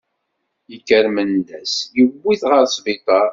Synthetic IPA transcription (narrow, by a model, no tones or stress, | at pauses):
jəkːəɾmənːæsjəwːiθʁəɾsˤvɪt̪ˤɑɾ